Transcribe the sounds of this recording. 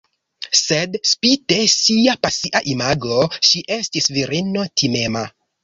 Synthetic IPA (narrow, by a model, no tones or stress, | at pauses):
sedspite̞siapasiʔaʔimaɡlo̞ʃiʔe̞stisviɾino̞tʰimema